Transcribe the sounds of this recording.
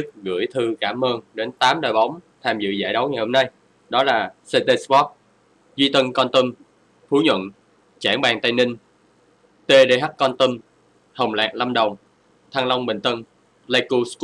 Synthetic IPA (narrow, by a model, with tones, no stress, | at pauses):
ɨ˦˥k̚ɣɨ̰˧˩əjt̪ʰɨ˧kaː˧˩məː˧nɗe˨˦nt̪aː˨˦mɗəː˨˩jɓa˨˦wŋ͡m | t̪ʰaː˧˩mzɨ̰˧˨za̰ː˧˩jɗə˨˦wŋa˨˩jho˧mna˧j | ɗɔ˨˦laː˨˩se˧t̪e˧skɔ˦˥p̚ | zi˧t̪ə˧nkɔ˧nt̪ə˧m | fʰu˨˦ɲwə̰˧˨n | t͡ɕaː˧˩ŋɓaː˨˩ŋt̪a˧jnï˧ŋ | t̪e˧ɗe˧ɦa˦˥p̚kɔ˧nt̪ə˧m | hə˨˩wŋ͡mla̰ː˨˩k̚la˧mɗə˨˩wŋ͡m | t̪ʰa˧ŋlə˧wŋ͡mɓï˨˩ŋ̟t̪ə˧n | la˧jku˧sk